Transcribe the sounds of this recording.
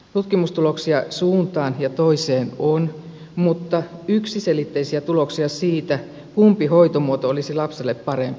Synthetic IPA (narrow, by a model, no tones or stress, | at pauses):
t̪ut̪kimust̪ulo̞ksiɑsuːnt̪ɑːnjɑt̪o̞ise̞ːnon | mut̪ːɑyksiselit̪ːeisiæt̪ulo̞ksiɑsiːt̪æ | kumpiho̞jt̪omuot̪oolisilɑpselːepːɑɾempi̥